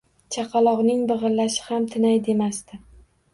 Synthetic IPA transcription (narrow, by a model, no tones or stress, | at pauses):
t͡ʃʰɑqʰɑlˠɒʁnɪŋbɨʁɨɾlaʃɪ̥hamt̪ʰɪnajd̪e̞mast̪ɪ